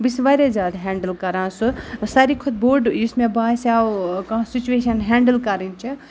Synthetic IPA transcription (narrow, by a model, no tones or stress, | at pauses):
bisʋaɾed͡ʒaːd̪ɦɛ̃ːɳɖəlkɐɾãːsusaɾikʰud̪̚boːɾɖismẽbaːsawkãsit͡ʃueʃɐnɦɛ̃ːɳɖəlkɐɾint͡ʃʰi